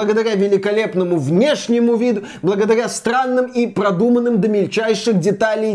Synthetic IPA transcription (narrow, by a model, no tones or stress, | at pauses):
əɡəd̪ɐɾʲavʲɪlʲɪkɐlʲe̞pnəmʊvnʲeʂnʲɪmʊvʲid̪ʊ | blˠəɡəd̪ɐɾʲast̪ɾanːɨmipɾɐd̪umənːɨmd̪əmʲɪlʲt͡ɕæjʂɨxdʲɪt̪alʲɪj